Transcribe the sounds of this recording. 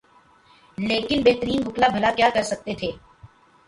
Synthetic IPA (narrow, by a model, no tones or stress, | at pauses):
leːkɪnbeɦt̪əɾiːnbʊklabʱɐlakjaːkɐɾsɐk̚t̪et̪ʰeː